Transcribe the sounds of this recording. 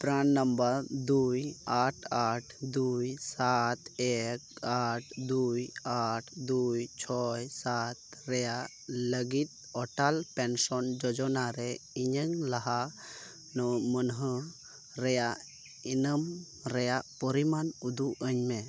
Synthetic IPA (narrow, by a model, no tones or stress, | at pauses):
pɾaɳːəmbəɾd̪ujaʈʰaʈʰd̪ujsat̪ek̚aʈʰd̪ujaʈʰd̪ujt͡ʃʰɔjsat̪̚ɾeja | ləɡit̪̚ | ɔʈalpɛnsɔnd͡ʒɔd͡ʒɔnaɾɛiɲəŋlɐɦa | nɔmənɦə | ɾeja | inəm | ɾejapɔɾimanud̪uʔəɲme